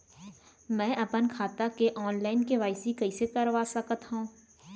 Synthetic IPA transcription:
mɛ̃ːʔɐpənkʰaːt̪akeʔɔːnlaːɪnkeʋaːɪsikɐisekɐɾʋaːsɐkət̪ɦũː

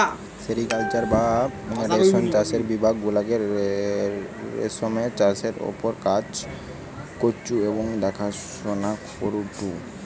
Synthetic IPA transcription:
seɾikalt͡ɕaɾbaɾeɔnt͡ɕaseɾbibʱaɡːulaɡeɾ | ḛsɔmet͡ɕaseɾo̰poɾkat͡ɕ | kot͡ʃueboŋɖ̪ɛkʰaʃ | onakfoɾuʈu

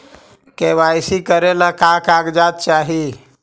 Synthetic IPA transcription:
keʋajsikəɾelakakaɡd͡ʒat̪̚t͡ʃaːɦi

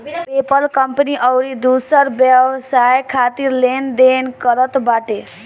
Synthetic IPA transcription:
pepəlkʌmpəniʔʌwɾid̪usəɾbjʌbsajkʰat̪iɾlend̪enkʌɾət̪baʈe

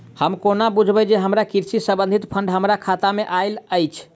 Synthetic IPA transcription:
həmkonabud͡ʒʱbəd͡ʒeɦəmɾakiɾsisəbə̃nd̪ʱit̪pʰəɳɖɦəmɾakʰat̪ameʔajləjt͡ʃʰ

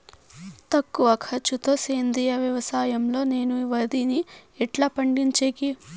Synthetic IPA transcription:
t̪ɐkːuʋɐkʰɐt͡ʃːut̪o̞ːseːnd̪ijɐʋjɐʋɐsaːjɐmlo̞ːne̞ːnuiʋɐd̪iniɛʈlɐpɐɳɖiɲt͡ʃeːki

